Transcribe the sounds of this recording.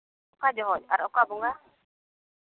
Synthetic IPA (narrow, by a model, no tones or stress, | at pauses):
ɔkad͡ʒɔɦɔd͡ʒa̰ɾɔkabuŋɡa